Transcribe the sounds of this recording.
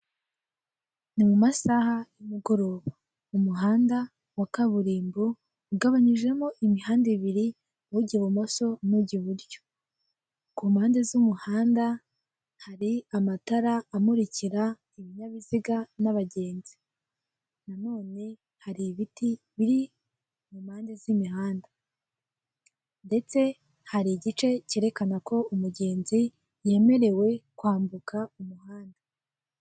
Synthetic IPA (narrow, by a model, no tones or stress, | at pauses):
nimumasahajumuɡo̞ɾo̞ːβa | umuɦaːnda | wakaβuɾiːmbu | uɡaβaɲiʒe̞moʔimihaːndiβiɾi | wuɟiβumo̞so̞nuɟiβuɾjo̥ | kumhaːndezumuhaːnda | haɾiamataɾaːmuɾiciɾa | iβiɲaβiziɡanaβaɟe̞ːnzi | nano̞ːne̞ | haɾiβiti | βiɾi | mumhaːndezimiɦaːnda | nde̞t͡se̞ | haɾiɟit͡ʃe̞ceːɾe̞kanako̞umuɟe̞ːnzi | je̞ːme̞ɾe̞we̞kwaːmbukaumuhaːnda